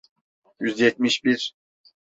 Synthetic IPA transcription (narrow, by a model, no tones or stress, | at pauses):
jyzd̪jet̪̚miʃbiɾ